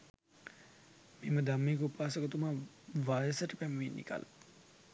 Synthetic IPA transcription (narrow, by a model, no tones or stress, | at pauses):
miməd̪amːeːkəupaːsəkət̪uma | ʋaːjəsəʈəpæməʋinːḭka̰lə̰